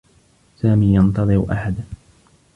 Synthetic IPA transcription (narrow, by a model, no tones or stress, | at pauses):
saːmiːjɑnt̪ɑðˤɨɾʔa̰ħad̪